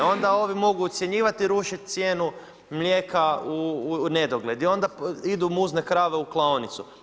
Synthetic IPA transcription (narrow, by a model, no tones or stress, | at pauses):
o̞nd̪ao̞ʋimo̞ɡuːt̪sʲjeɲiːʋat̪iɾuʃit̪̚ʲt̪sjeːnu | mlʲjeːkaune̞d̪oɡlʲe̞d̪io̞nd̪aid̪umuznekɾaːʋeuklˠaonit̪su